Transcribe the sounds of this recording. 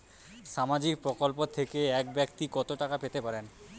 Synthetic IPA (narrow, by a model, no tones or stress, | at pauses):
ʃamad͡ʑik̚pɾokolpot̪ʰekeɛk̚bɛkt̪ikɔt̪oʈakapet̪epaɾen